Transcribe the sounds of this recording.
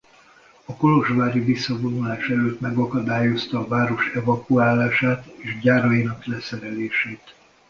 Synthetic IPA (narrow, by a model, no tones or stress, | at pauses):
ɒko̞lo̞ʒʋaːɾivisːɒvo̞nulaːʃɛløːt̪mɛɡɒkɒd̪aːjo̞st̪ɒːvaːɾo̞ʃɛvɒkuaːlaːʃaːt̪eːʃɟaːɾɒjinɒklɛsɛɾɛleːʃeːt̪